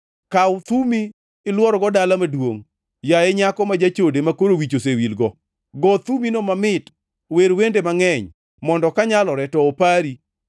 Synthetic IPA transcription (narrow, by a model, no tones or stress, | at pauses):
kawt̪umiː | lwɔɾɔɡɔdalamadwoŋ | jajeɲakɔmad͡ʒat͡ʃodemakoɾowit͡ʃos̬ewilɡɔ | ɡɔt̪uminomamɪt | weɾwendemaŋɛɲ | mɔndɔkaɲalɔɾɛtɔːpaɾi